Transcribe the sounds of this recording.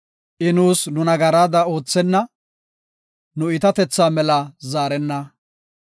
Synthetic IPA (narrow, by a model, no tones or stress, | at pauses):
ʔɪnuːsnʊnɐɡɐɾaːd̪ɐo̞ːt͡sːɛnːɐ | nʊɪt̪ɐt̪ɛt͡sːaːmɛlɐzaːɾɛnːɐ